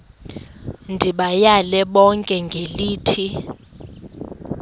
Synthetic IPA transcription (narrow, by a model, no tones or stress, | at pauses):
ndʱiɓajalɛɓɔŋkʼɛŋɡʱeliːtʰi